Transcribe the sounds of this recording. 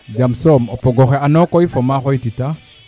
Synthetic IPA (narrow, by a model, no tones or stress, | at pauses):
d͡ʒamsɔmɔpɔɡɔxɛanɔkɔifɔmaxɔitita